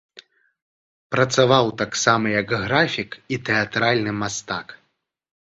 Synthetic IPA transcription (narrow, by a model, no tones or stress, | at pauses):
pɾɐt̪savawt̪aksamɐjɐkɣɾafʲikit̪ɛat̪ɾalʲnɨmast̪ak